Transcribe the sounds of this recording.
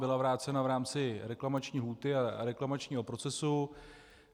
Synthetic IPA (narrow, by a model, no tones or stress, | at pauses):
bɪlavɾaːt͡sɛnavɾaːmt͡sɪɾɛklamat͡ʃɲiːɦluːt̪ɪaɾɛklamat͡ʃɲiːɦo̞pɾo̞t͡sɛsu